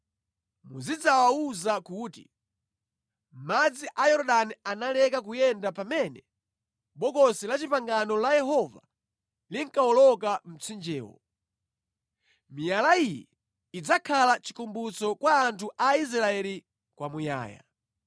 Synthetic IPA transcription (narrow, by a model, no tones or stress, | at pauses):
mṵzid͡zawauzakuːtḭ | m̩mad͡ziʔajɔɾɗanianalɛkak̬ujɛndapamɛnɛ | ɓɔkɔsilat͡ʃipaŋɡanɔlajɛɦɔva̰ | liŋkaɔlɔkam̩t͡sʰind͡ʒɛːwɔ̰ | mijalaijɛ | id͡zakʰalat͡ʃi̥kumbut͡sɔkwaːntʰuʔais̬ɾaɛli | kwamuja̰ːja̰